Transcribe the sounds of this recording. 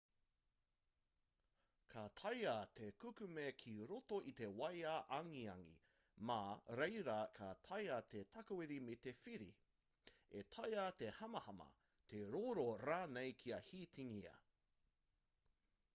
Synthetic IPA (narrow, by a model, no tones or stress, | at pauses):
kʰat̪ʰɐjat̪ʰekʉkʉmekʰiɾotoʔit̪e̞wɐjaʔɐŋiɐŋḭ | maɾeɪjɾɐkʰat̪ʰɐjat̪et̪ʰɐkɐwiɾimet̪efiɾḭ | et̪ʰɐjat̪e̞hɐmɐhɐmɐ̰ | t̪ʰeɾoːɾoɾaːnejkʰiɐhiːt̪ʰiŋiɐ̰